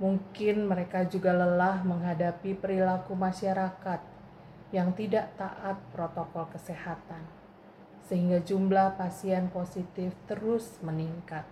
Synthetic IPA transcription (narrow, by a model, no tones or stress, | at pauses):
muŋkɪnməɾekad͡ʒuɡaləlahməŋɦadapipəɾilakumaʃaɾakat̪̚ | jaŋt̪idaʔt̪aʔat̪̚pɾot̪okɔlkəsehat̪an | səhiŋɡad͡ʒumblahpasiɛnposit̪ɪft̪əɾʊsməniŋkat̪̚